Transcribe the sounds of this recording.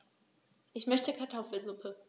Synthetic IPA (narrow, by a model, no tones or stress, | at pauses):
ʔɪçmœçtəkʰaɐtʰɔfl̩zʊpʰə